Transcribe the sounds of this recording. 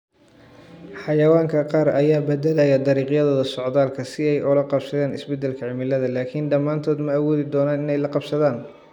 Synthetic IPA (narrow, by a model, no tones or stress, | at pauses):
ħɑjɐwaːŋkʰɐqɑːɾʔɐjaːbɐd̪ɛlɐjɐd̪ɑɾiːqjɐðɔːðɐsɔʕd̪aːlkʰɐsɪɛjʔɔlɐqɑbsɐðɛːnɪsbɛd̪ɛlkʰɐʕɪmɪlːɐðɐlaːkʰɪnɖɐmːaːnt̪ʰɔːd̪mɐːwɔːðɪd̪ɔːnɐːnɪnɛjlɐqɑbsɐðaːn